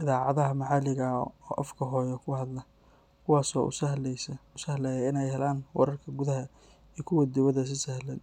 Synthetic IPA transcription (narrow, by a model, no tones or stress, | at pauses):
ʔɪðaːʕɑðɐɦɐmɑħɑlɪɣɐɔːʔɐ̰fkʰɐɦɔːjɐkʰʊhɐd̪lɐ | kʰʊwɑːsɔːʔʊ̰sɐhlsʊsɐhlɛjɐɪnɛjhɛlaːnwɑ̰ɾɐrkʰɐɡʊðɐɦɐ | iːkʰʊwɐd̪ɪwɐðɐs̬ɪsɐhlɛn